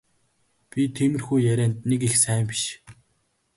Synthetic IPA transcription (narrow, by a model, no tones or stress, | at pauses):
pʲit̪ʰemɘ̆rxujːæɾʲæːnt̪̚nekixsæːmpʲi̥ʃ